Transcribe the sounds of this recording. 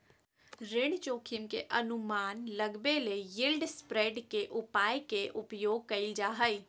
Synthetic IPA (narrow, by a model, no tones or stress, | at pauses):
ɾeːɽt͡ʃoːkʰɪmkḛʔɐnʊmaːnlɐɡbelejɪlɖspɾeːɖkeʔʊpaːjkeʔʊpjoːɡ̚kɐɪld͡ʒaːɦəi